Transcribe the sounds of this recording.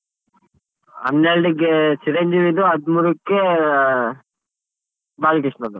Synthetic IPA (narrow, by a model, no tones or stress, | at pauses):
ɐ̰nːeɭɖiɡet͡ʃiɾeɲd͡ʒiʋid̪uɐd̪muːɾukːe | baːlɡiʂnɐd̪u